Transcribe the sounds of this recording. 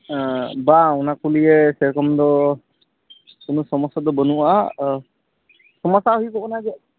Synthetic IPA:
baunakulijɛsɛɹkɔmd̪ɔ | kunusɔmɔsɔd̪ɔbɔnuʔa | sɔmɔsaɦuibɔɔnaɡɛ

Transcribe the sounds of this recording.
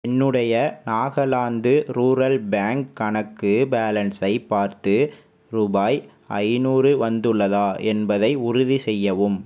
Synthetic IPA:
ɛnːɯɽɐjɐnaːɣɐlaːnd̪ɯɾuːɾɐlbaːŋkːɐɳɐkːɯbaːlɐnsɐɪpːaːɾt̪ɯ | ɾʊbaːj | ʔɐ̰ɪnuːɾɯʋɐnd̪ɯɭːɐðaːʔɛnbɐðɐɪʊɾʊðisɛjːɐʋɯm

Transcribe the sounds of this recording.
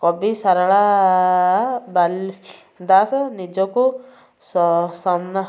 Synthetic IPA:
kɔbisaɾaɭa | bal | d̪asɔnid͡ʒɔku | ssɔmna

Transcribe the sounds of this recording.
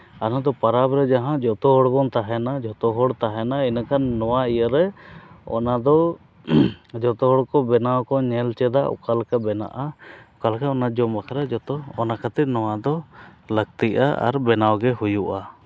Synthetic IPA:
anad̪ɔpaɾabɾɛd͡ʒaɦãd͡ʒɔt̪ɔɦɔɽbɔnt̪aɦɛnad͡ʒɔt̪ɔɦɔɽt̪aɦɛnainakʰanːɔwaijəɾɛɔ̰nad̪ɔ | d͡ʒɔt̪ɔɦɔɽkɔbɛnawkɔɲɛlt͡ʃɛd̪aɔ̰kalkabɛna̰ʔaɔkalkaɔnad͡ʒɔmbakʰaɾad͡ʒɔt̪ɔɔnakʰat̪inɔwad̪ɔləɡ̚t̪iʔa̰a̰ɾbɛnawɡɛɦujuʔa

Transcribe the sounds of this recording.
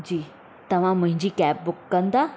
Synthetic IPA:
d͡ʑiː | t̪ɐʋ̤ãmʊ̃ɦɪ̃ɲd͡ʑiːkɛːp̚bʊkːɐ̃nd̪aː

